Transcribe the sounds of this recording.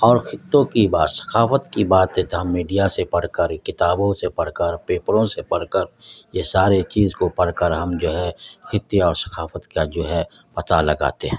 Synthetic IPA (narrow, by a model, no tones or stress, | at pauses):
ɔːɾxʰɪt̪ːõkibaːd̪sɐ̥kʰaːfət̪kibaːt̪ẽt̪mːiːɖijasepɐɽ̤kəɾkɪt̪aːbõsepɐɽ̤kəɾpeːpəɾõsepɐɽ̤kəɾjesaːɾet͡ʃiːzkopɐɽ̤kəɾɦɐmd͡ʒoːɦɛxʰɪt̪ːjeɔːɾsɐ̥kʰaːfət̪kad͡ʒoːɦɛpɐt̪alɐɡa̰ːt̪eɦɛ̃ː